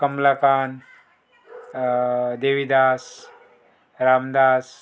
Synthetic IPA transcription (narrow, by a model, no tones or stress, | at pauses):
kɐmlakaːn | d̪eːʋid̪aːs | ɾaːmd̪aːs